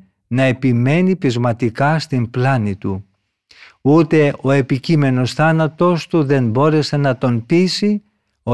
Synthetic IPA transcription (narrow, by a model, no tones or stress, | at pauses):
nɐe̞pime̞nipizmɐt̪ikɐst̪implɐnit̪u | ut̪e̞o̞e̞picime̞no̞sθɐnɐt̪o̞st̪uðe̞nbo̞ɾe̞se̞nɐt̪o̞npisi | o